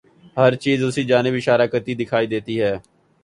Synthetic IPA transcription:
həɾt͡ʃiːzʊsiːd͡ʒaːnɪbɪʃaːɾaːkəɾt̪iːd̪ɪkʰaːiːd̪eːt̪iːɦɛː

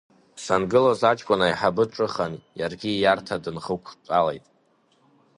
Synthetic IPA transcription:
sanɡɨlozat͡ʃʼkʷʼʊnaiħabɨʈ͡ʂʼɨχanjarɡʲijartʰadɨnχəkʷʰt͡sʼalejtʼ

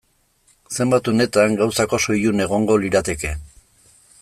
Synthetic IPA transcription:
se̞mbat̪une̞t̪aŋɡawsako̞so̞june̞ɣ̞o̞ŋɡo̞liɾat̪e̞ke̞

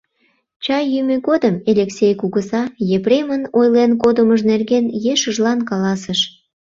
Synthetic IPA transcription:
t͡ɕɑjːymøɣod̪əmelʲeksʲejkuɣəsɑjepremənojlenkod̪əməʒnerɡenjeʃəʒlɑnkɑlɑsəʃ

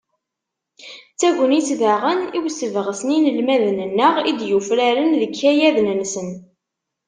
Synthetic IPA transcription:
t͡sːæʝʷənit͡sːðaʁəniwsəvʁəsəninəlmæðənənːəʁid̪jufɾæɾənðəkʰːæjæðnənsən

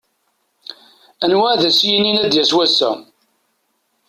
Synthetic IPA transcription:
ænwæðæsjininæd̪jæswæsːæ̰

